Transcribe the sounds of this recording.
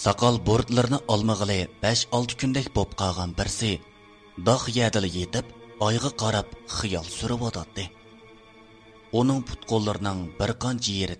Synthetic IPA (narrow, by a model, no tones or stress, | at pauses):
sɑqʰɑlˠboɾd̪lˠɨɾɨnɨʔɑlˠməʁəlˠɨb̥ɛʃɑlˠt̪ʰɨ̥kʲʰynd̪ɛkʲbop̚qʰɑʁɑnbɪɾsɪ | d̪ɑχjɛd̪ɪlɪjet̪ɪpɑjʁɑqʰɑɾɑpχɨjɑlˠsyɾɨwɑt̪ʰɑt̪ːɨ | unɨŋpʰu̥t̪̚qʰolˠːɨɾɨnɨŋbɪɾqʰɑnt͡ʃʰijeɾɪd̪ɪ